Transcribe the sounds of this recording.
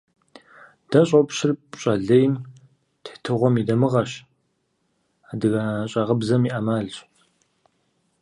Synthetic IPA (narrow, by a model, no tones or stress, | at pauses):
d̥ɐɕʼopɕɪrpɕʼɐɮejm | ttʰɨʁʷɔmidɐmɨʁɐɕ | aːdɨɣaɕʼɐʁəbzɐmiːʔɐmaːɮɕ